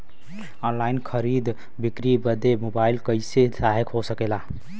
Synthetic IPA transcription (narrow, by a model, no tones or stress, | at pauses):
ɔnlainkʰəɾid̪ | bikɾibəd̪emobailkəɪsesaɦekɦosəkela